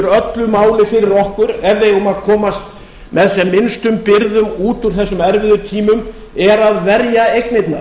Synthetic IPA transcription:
ʏɾœt̪lʏmaːwlɪfɪɾɪɾɔhkʏɾɛvðejʊmaðkʰɔːmast̪ | mɛðsɛmːɪnst̪ʏmpɪɾðʏmuːt̪uɾ̥θɛsːʏmɛɾvɪðʏt̪ʰiːmʏm | ɛɾaðvɛɾjaejknejt̪na̰

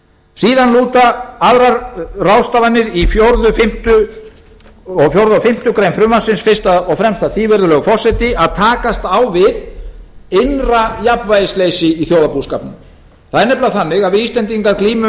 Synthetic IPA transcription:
siːðanluːt̪aaðɾaɾrawst̪aːvanːɪɾifjoɾðʏfɪm̥t̪ʏ | ɔɣfjowɾðʏɔfɪm̥t̪ʏkɾejnfɾʏmvasɪnsfɪ̥st̪aðɔɣfɾɛmst̪aθiːvɛɾðʏlœːɣʏfɔr̥sɛt̪ɪaðt̪ʰaːkast̪awvɪð | ejnrajapnvajɪsleːjsɪiθjoːwðapuskapnɪm | θaðɛɾnɛplaθanːɪɣavɪiːst̪lɛnt̪̬iŋkaɾkliːmʏ

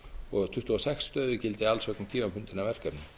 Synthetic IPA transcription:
ɔɣt̪ʰʏht̪uɔsɛksːt̪œːðʏcɪlt̪ɪalsvœk̪ɪmt̪ʰiːmapʰʏnt̪ɪnavɛr̥kɛpnʏ

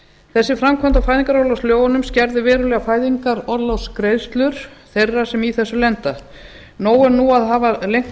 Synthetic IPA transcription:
θɛsːɪfɾamkʰvant̪afaːjðiŋkaɾɔɾlawsljoːwɣʏnʏmscɛɾðɪvɛːɾʏlɛːɣafaːjðiŋkaɾɔɾlɔwskɾejst̪lʏɾ̥θejrːasɛmiθɛsːʏlɛnt̪a | noːwɛnuaðɦaːvalejŋ̥

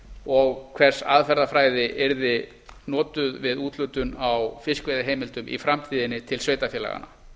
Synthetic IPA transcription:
ɔɣkʰv̥ɛr̥sa̰ðfɛɾðafɾaːjðɪʔɛɾðɪ | nɔːt̪ʏðvɪðuːt̪lʏt̪ʏnawfɪskvejðaɦeːjmɪlt̪ʏmḭfɾamt̪ʰiːðɪnːɪt̪ʰɪlsveːjt̪afjɛːla̰ɣa̰na̰

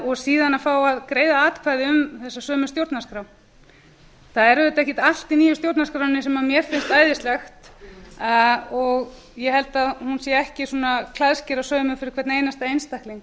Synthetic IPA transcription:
ɔɣsiːðanafawaðkɾeːjðaaːt̪kʰvaːðɪʏmθɛsːasœːmʏsjowɾt̪naskɾaw | θaðɛɾɛt̪aɛhcɪt̪al̥t̪iniːjʏst̪jowɾt̪naskɾawɪnːɪsɛmamjɛɾ̥fɪnst̪aːjðɪst̪lɛxt̪ | ɔɣ | jɛhɛlt̪aðhunsɛɛhcɪsuːnakʰlaðscɪɾaðsœːmʏfɪɾɪɾ̥kʰvɛɾt̪nejnast̪aejnst̪ahkliŋk

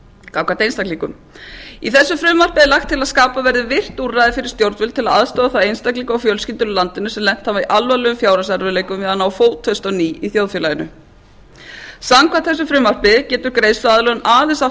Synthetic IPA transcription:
kawkʰat̪ejnst̪akliːkʏm | iθɛsːʏfɾʏːmːar̥pɪðɪlaxt̪ʰːɪlaðskaːpavɛɾðɪvɪr̥t̪urajðɪfɪɾɪɾ̥st̪jowɾt̪vʏlt̪ʰɪlaðaðst̪ɔːðaθaejnst̪akliːkaawfjœlscint̪ʏnʏlant̪ɪnʏsɛmlɛn̥t̪havaiʔalvalɛɣʏmfjaːwɾasaɾvʏlejkʏmvɪðanawfoːwt̪ʰːœst̪ɔniːiθjowðfjɛlajɪnʏ̰ | samkʰat̪θɛs̬ʏfɾʏːmːar̥pɪðcɛːt̪ʏɾkɾejsfaðlœɣnaːðɛnsa

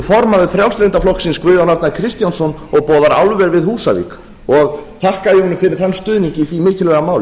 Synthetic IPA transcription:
fɔɾmavɪθɾjawst̪lɪnt̪aflɔhksɪnskvʏːðanaɾt̪nakʰɾɪst̪jansɔnɔɣpɔːðaɾa̰wlvɛɾvɪðhuːsa̰vḭk | ɔɣθahkajɪhɔnʏmfɪɾɪɾ̥θanːst̪ʏːðniɲcɪːθvimɪːcɪlvɛɣamaːwl

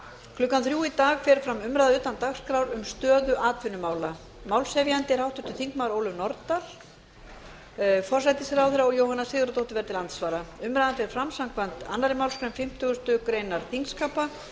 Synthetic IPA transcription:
kʰlʏkːanθɾjuːit̪aːɣfɛɾ̥fɾamʏmɾajðaʏːt̪ant̪axskɾawɾʏmst̪œːðʏʔaːt̪ʰvɪnʏmaːwla | mawlsɛvjant̪ɪɾhawht̪ʏ̥t̪ʰɪ̥θiŋkmaːwɾoːwlʏvnɔɾt̪aɾ̥ | fɔr̥sajt̪ɪsɛɾawθɛɾaɔɣjoːwhanːasɪːɣʏɾat̪owht̪ɪvɛɾt̪ʰɪlant̪svaːɾaʏmɾajðanfɛɾ̥fɾamsawŋkvan̥t̪a̰nːaɾɪmawlskɾɛmfɪm̥t̪ʰʏɣʏst̪ʏkɾejnaɾ̥θiŋkskaːpa

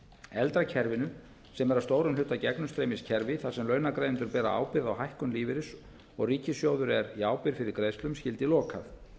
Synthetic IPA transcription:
ɛlt̪ɾacʰɛɾvɪnʏ | sɛmɛɾast̪oːwɾʏmlʏht̪ːacɛknʏst̪ɾejmɪscʰɛɾvɪθasɛmlœːɥnakɾejðʏnt̪œɾpɛːða̰ʔa̰ːwpɪɾðawɦajhkʏnliːvɪɾɪs | ɔ̰ɣriːcɪsjoːwðʏɾɛɾiaːwpɪɾ̥fɪɾɪɾkɾejst̪lʏmscɪlt̪ɪlɔːkʰaθ

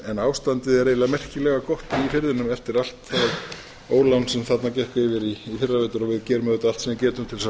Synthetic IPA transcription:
ɛnaːwst̪ant̪ɪðɛɾeːjlamɛr̥cɪlɛɣakɔht̪iifɪɾðɪnʏmɛft̪ɪɾal̥t̪θað | oːwlawnsɛmθat̪nacɛhkɪvɪɾiːfɪrːaveːt̪ʏɾɔɣvɪðcɛːɾʏmðɛt̪aalt̪sɛmcɛːt̪ʏmt̪ʰɪlsa

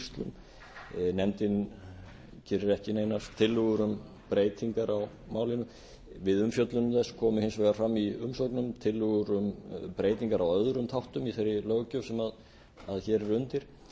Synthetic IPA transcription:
st̪lʏ̰m | nɛmt̪ɪn | cʰɪːɾɪɾɛhcɪnejnast̪ʰɪlːʏɣʏɾʏm | pɾeːjt̪iŋkaɾaw | maːwlɪnʏ | vɪðʏmfjœt̪lʏnʏmθɛsːkʰɔːmʏhɪnsveːɣaɾ̥fɾamːiʏmsowknʏmt̪ʰɪlːʏɣʏɾʏmpɾeːjt̪iŋkaɾawœðɾʏmt̪ʰawht̪ʏmiθejɾɪlœːɣcœwsɛmað | aðçɛɾʏnt̪ɪɾ̥

